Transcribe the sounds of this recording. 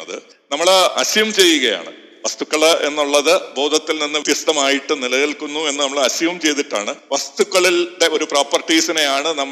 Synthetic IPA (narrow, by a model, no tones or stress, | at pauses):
ɐðɨ̰ | nɐmːɐɭɐ̰ɕiʋɐmt͡ɕe̞jːuɣɐja̰ːɳɨ̰ | ʋɐst̪ukːɐɭenːuɭːɐðɨbo̞ːd̪ʱɐt̪ːilninːɨʋt̪jɐst̪ɐmaːjiʈːɨnilɐjilkunːue̞nːɨnɐmːɐɭɐɕuʋɐmt͡ɕe̞jt̪̬iʈːa̰ːɳɨʋɐst̪ukːɐɭilɖe̞o̞ɾuproːpːɐrʈːiːsɐnejaːɳɨnɐmː